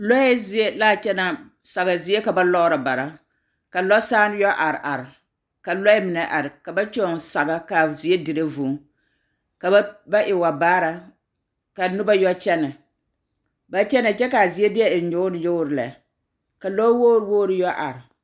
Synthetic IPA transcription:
lɔ˦ɛ˦zi˦e˦laː˦t͡ʃɛ˦na˦ | sa˨ɣa˨zi˦e˦ka˨ba˦lɔ˦ɾa˨ba˨ɾa˦ | ka˨lɔ˦saː˦n˦jɔ˦ʔa˨ɾʔa˨ɾɪ˨ | ka˨lɔ˦mɪ˨nɛ˨ʔa˨ɾɪ˨ka˨ba˦t͡ʃɔ˦˨sa˨ɡa˦ka˨zi˨e˦dɪ˨ɾa˦vu˨˦ | ka˨˦ba˦ʔɪ˨wa˨baː˦ɾa˨ | ka˨nʊ˦ba˦jɔ˦t͡ʃɛ˦na˨ | ba˨t͡ʃɛ˦na˨t͡ʃɛ˦ka˨zi˨e˦dɪ˦ɛ˨ɪ˨˦ɲʊ˦nɪ˨jo˦ɾɪ˨la̰˨ | ka˨lɔ˦wo˦ɾwoː˦ɾɨ˦jɔ˦ʔa̰˨ɾɪ˨

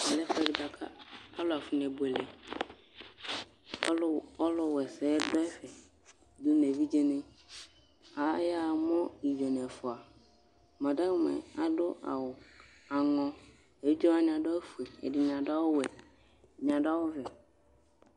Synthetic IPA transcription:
a˨lɛ˦fɛ˨dɪ˨ba˨kʰa̰˦a˦lʊ˨a˨fʊ˨n˨ɛ˨bʊ˨ɛ˨lɛ˨˦ | ɔ˦lɔ˦wɛ˨sɛː˦dɔ˦ɛ˦fɛ˨ | dʊ˦ne˨vi˦d͡ʑe˦nɪ̃˦ | a˨˦ja˦˨mɔ̃˦i˨jɛ˨n˨ɛ˨fʊ˨a˨ | mã˨dã˦mɛ̰̃˨a˨dʊ˦ʔa̰˨wʊ˨ | a˨ŋɔ̃˦ | e˨wi˦d͡ʒɔ˦a˨ɲ˨ã˨dɔ˦fu˨e˨ɛ̰˨dɪ˨ɲ˨ã˨da˦wʊ˦wɛ˨ | ɲ˨ã˨da˦wʊ˦vɛ˨

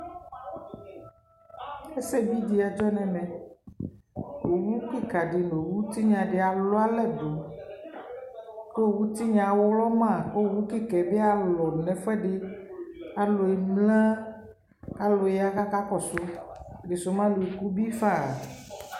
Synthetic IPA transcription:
e˦se˦bi˦d̪i˨˦a˨d͡ʒɔ˦nɛ̃˨mɛ̃˨ | o˨wu˦ki˦ka˨ɖi˨no˨wu˦t̪i˦ɲã˨ɖɪ˨a˨lo˦a˦lɛ˦d̪o˨ | ko˦˨wu˦t̪i˦ɲã˨wo˦wlɔ˦mã˦˨ko˦˨wu˦ki˦kɛ˨be˦a˨lɔ˨nɛ̃˨fɛ˦ɖɪ˦ | a˨lo˨e˨mlã˦ | a˨lo˨je˨˦a˦ka˦ka˦kɔ˨so˦de˨so˨mã˦lu˨ku˦bi˦fa˦˨

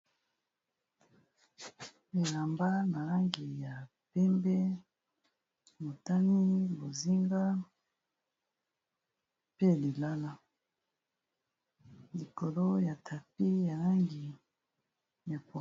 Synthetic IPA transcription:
e˨la˨mba˦na˨la˦ŋɡi˨ja˨ | pɛ˦mbɛ˦ | mo˨ta˦ni˦bo˨zi˦ŋɡa˦ | pe˦li˨la˦la˦ | li˨ko˨lo˦ja˨tʰa˨pi˦ja˨la˦ŋɡi˨ | ja˨po˨

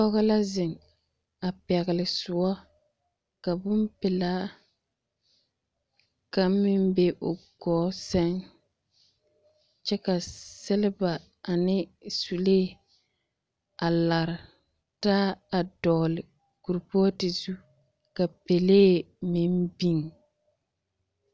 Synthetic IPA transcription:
ɔ˦ɣa˦la˦zɪ˨ŋ | a˨pɛ˨ɣɪ˨lɪ˨sʊ˨˦ɔ˦ | ka˨bʊ˦mpɪ˨laː˦ | ka˨˦mɪ˦mbe˦ʔʊ˨ɡɔː˨˦sɛ˦ŋ | t͡ʃɛ˦ka˨sɪ˦lɪ˦ba˨ | a˨nɪ˦su˨leː˦ | a˨la˨ɾɪ˨ | taː˦a˨dɔː˨lɪ˨ | ku˨ɾpɔ˦ɔ˦tɪ˨zu˦ | ka˨pe˨leː˦ | mɪ˦mbi˦ŋ

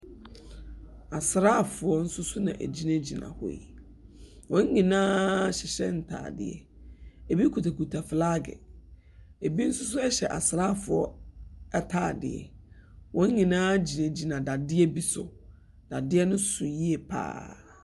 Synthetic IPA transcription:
a˨sɾa˦˨fʊ˨ɔ˦n̩˦sʊ˦sʊ˦nã̰˨ʔæ̰˨d͡ʑi˦nã˦d͡ʑi˨nã̰˨hɔ̰˨ḭ˨ | wɔ̃˨˦ŋ˦ɲĩ˨nãː˦ɕɪ˨ɕɛ̰˦n̩˨tʰa̰ː˨dɪ̰˨ɛ̰˨ | e˨bi˦kʰu˨tʰa˨ku˨tʰa˨fɪ˨la˦ɡɛ̰˨ | e˨bi˦n̩˦sʊ˦s̬ʊ˦ɛ˦ɕɛ˨ʔa˨sɪ˨ɾa˦˨fʊ˨ɔ˦ɛ˦tʰaː˨dɪ̰˨ɛ̰˨wʔɔ̃˨˦ŋ˦ɲĩ˨nãː˦d͡ʑi˨nã˨d͡ʑi˨nã˨da˨dɪ˦ɛ˦bi˦sʊ˨ | d̥a˨dɪ˦ɛ˦nʊ̃˦sʊ˨ji˦ɛ˨pʰa̰ː˦

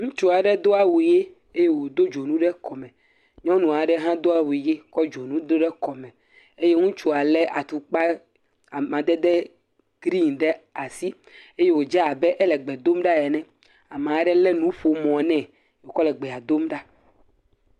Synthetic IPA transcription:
ŋũ˦t͡ʃu˦a˨ɖɛ˦d̪o˦a˦wu˨je˦ | e˦je˦wo˨d̪o˦d͡ʒo˨nũ˦ɖɛ˦kɔ˨mɛ̃˨ | ɲɔ̃˦nũ˨a˨ɖɛ˦ɦã˦d̪o˦a˦wi˨je˦kɔ˦d͡ʒo˨nũ˦dɖɛ˦kɔ˨mɛ̃˨ | e˦je˦ŋũ˦t͡ʃu˨a˨lɛ˦a˨t̪u˨k͡pa˦ | a˨mã˨d̪ɛ˦d̪ɛ˦ | ɡɾi˦nɖɛ˦a˨si˦ | e˦je˦wo˨d͡ʒa˦a˨bɛ˦ʔɛ˦lɛ˨ɡ͡bɛ˨d̪o˦mɖa˦jɛ˨nɛ̃˦ | a˨mã˨˦ɖɛ˦lɛ˦nũ˦ɸo˨mɔ̃˨nɛ̃˦˨ | wo˨kɔ˦lɛ˨ɡ͡bɛ˨a˨d̪o˦mɖa˦

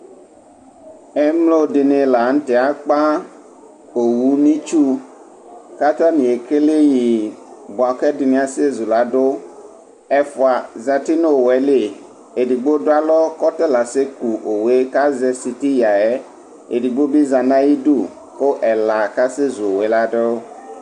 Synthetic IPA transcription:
ɛ˦mlo˦dɪ˨nɪ̃˨la˨n̩˦tɪ˨a˨k͡pa˦ | o˨wu˨nĩ˦t͡ʃu˦ | ka˦t̪a˦nĩ˨e˨ke˦le˦ji˨bʊ˨a˨kɛ˦dɪ˨nɪ̃˨a˨se˦zu˨la˨dʊ˦ | ɛ˦fʊ˨a˨za˨ti˦no˦o˨wɛ˨le˨ | e˨di˨ɡ͡bo˦dʊ˦a˦lɔ˦kɔ˦t̪e˦la˨se˦ku˨ʔo˨we˦ka˦zɛ˨si˨ti˦ja˨ɛ˦ | ḛ˨di˨ɡ͡bo˦bi˦za˨nã˦ji˦du˦˨ | ko˦ʔɛ˨la˨ka˦se˦zu˨o˨we˦la˦ɖe˦

